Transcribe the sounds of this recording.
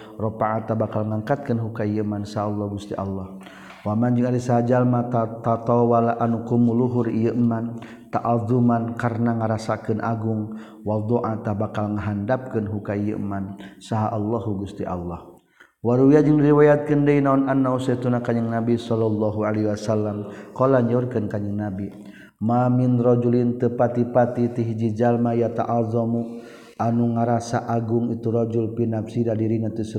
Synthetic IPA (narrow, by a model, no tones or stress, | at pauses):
rɔpaʔːt̪abakalŋaŋkat̪̚kənɦukaijəmansaɦaːlːɔhɡust̪iʔa̰lːɔh | wamaɲd͡ʒuŋadisaad͡ʒalmat̪at̪at̪ɔwalaʔanukumuluɦurijəʔman | t̪aʔaðumankarnaŋəɾasakɨnʔaɡʊŋ | wald̪oʔat̪abakalŋəɦandap̚kənɦukaijə̰ʔmansaɦaʔalːɔɦuɡust̪iʔa̰lːɔh | waɾuijad͡ʒəŋdiɾiwajat̪̚kəndəinaɔnanːausat̪unakaɲəŋnabisɔlːɔlːɔɦualɛwasalːamkɔlaɲd͡ʒaurkɨnkaɲəŋnabi | maminrɔd͡ʒulint̪əpat̪ipat̪it̪iɦid͡ʒid͡ʒalmajat̪aʔazɔmu | ʔanuŋaɾasaʔaɡuŋit̪uɾɔd͡ʒulpinafsidadiɾiɲat̪əs